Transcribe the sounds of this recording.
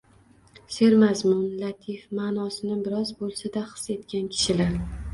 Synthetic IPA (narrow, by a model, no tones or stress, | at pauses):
se̞ɾmazmʊnlat̪ʰifmaːnɒsɪnɪbɪɾɒzbolˠsad̪aχɨ̥se̞t̪kʲankʲʰɪ̥ʃɪlaɾ